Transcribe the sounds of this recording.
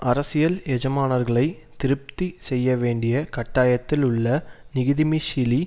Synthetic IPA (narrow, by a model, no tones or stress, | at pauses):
ʔɐɾɐsɪjɐlɛd͡ʒɐmaːnɐɾɣɐɭɐɪ | t̪ɪɾɯp̚t̪isɛjːɐʋeːɳɖɪjɐkɐʈːaːjɐt̪ːɪlʊɭːɐnɪɣɪðɪmiʃɪli